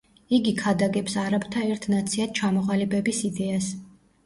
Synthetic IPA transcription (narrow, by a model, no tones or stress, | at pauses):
iɡikʰad̪aɡɛpsaɾabt̪ʰaɛɾt̪ʰnat̪sʰiad̪̥̚t͡ʃʰamɔʁalibɛbisid̪ɛas